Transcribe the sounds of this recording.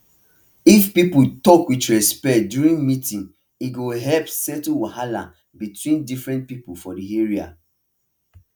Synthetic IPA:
ifpiputɔkwitɹɛspɛt̚djuɹĩnmitĩn | iɡoɦɛlpsɛtwahala̰ | bitwĩndifɹɛ̃nt̚pipufɔdieɹia̰

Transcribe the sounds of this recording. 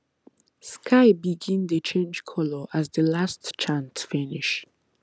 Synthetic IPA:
skʰaɪbiɡɪ̃ndət͡ʃʰẽnd͡ʒkʰɔləʔazðəlastt͡ʃʰãnsfɪnɪʃ

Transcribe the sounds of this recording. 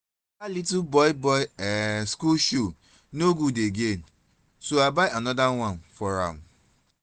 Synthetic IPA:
alitbɔɪbɔɪɛskulʃo | noɡudeɡẽn | soabaɪanɔdawãnfɔɹã̰m

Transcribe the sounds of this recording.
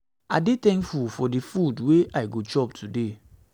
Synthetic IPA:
adetɛ̃ŋkfufɔdifudweʔajɡot͡ʃɔptʰude

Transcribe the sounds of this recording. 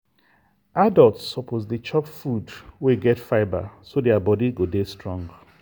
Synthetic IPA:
adɔltsɔpʰozdit͡ʃɔpfudweɡɛtfaɪba̰sodɛabɔdiɡodestɹɔ̃ŋɡ

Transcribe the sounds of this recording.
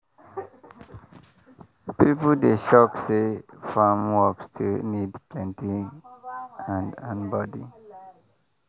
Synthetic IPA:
pipl̩deʃɔksefamwɔkstʰunidplɛ̃ntĩ | ãndãnbɔdi

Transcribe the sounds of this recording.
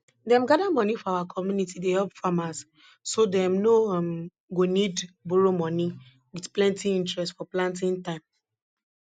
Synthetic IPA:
dɛ̃mɡadamɔnifɔawakʰɔmjunitideɦɛbfamas | sodɛ̃mnom | ɡonidbuɾomɔni | widplɛ̃ntiĩntɹɛstfɔplãntɪ̃ntãɪ̃m

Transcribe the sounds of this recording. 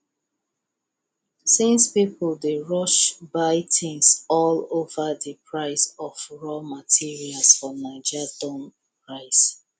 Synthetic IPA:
sĩnspipldeɹɔʃbaɪtʰɪ̃ŋsɔlovadipʰɹaɪsɔfɹɔmatʰiɹialsfɔnaɪd͡ʒadɔ̃n | pɹaɪs

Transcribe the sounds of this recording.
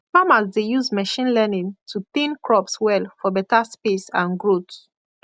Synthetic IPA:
famasdejuzmɛʃĩnlɛnĩŋtʰupĩnkɹɔpswɛlfɔbɛtaspesãnɡɹot

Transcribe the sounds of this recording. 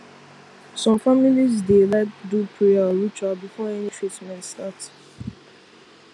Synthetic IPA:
sɔ̃mfamilizdelaɪk̚dupʰɹeaɹit͡ʃabifɔɛnifɹitmɛ̃nstat

